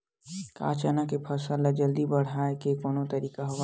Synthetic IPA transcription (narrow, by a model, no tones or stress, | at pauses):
ka̰ːt͡ʃaːnakepʰɐsəlad͡ʒɐld̪ibɐɽ̤aːekekoːnõt̪ɐɾiːkaɦɐʋ